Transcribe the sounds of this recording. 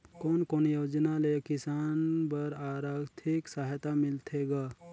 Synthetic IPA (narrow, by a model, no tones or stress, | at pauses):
koːnkoːnjoːd͡ʒnalekɪsaːnpəɾaːɾaɡt̪ʰɪksaɦt̪amɪlt̪ʰeɡaː